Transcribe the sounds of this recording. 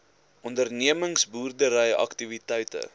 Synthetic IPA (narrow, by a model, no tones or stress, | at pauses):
ʔɔndərniəməŋsbuːrdəɾəjɐ̰ktivitɛjtə̰